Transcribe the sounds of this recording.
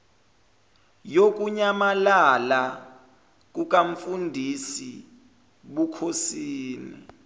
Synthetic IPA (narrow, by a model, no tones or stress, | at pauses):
jok̬ʼuɲamalala | k̬uk̬ʼaɱ̩fundʱisi | ɓukʰosiːnḭ